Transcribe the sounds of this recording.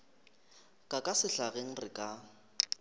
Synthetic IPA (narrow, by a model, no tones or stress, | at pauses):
kʼakʼasɪɬaɣeŋ̩rɪkʼa